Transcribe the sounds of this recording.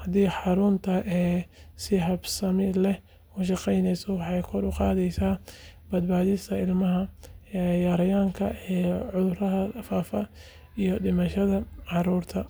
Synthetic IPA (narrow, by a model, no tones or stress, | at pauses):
hɐd̪iːħɑɾʊnt̪ʰɐʔɛːsɪɦɐbsɐmɪlɛ | ʊʃ̬ɑqɛjnɛjsɔwɑħɑjkʰɔɾʊqɑːðɛjsaːbɐd̪baːðɪst̪ʰɐɪlmɐɦɐɛjaːɾɐjaːŋkʰɐʔɛːʕʊðʊɾɐɦɐfaːfɐ | ijɔɖɪmɐʃɐðɐʕɑɾuːrt̪ʰɐ